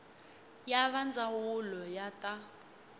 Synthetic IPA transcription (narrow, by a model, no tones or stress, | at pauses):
jaβand͡zawulɔjatʼa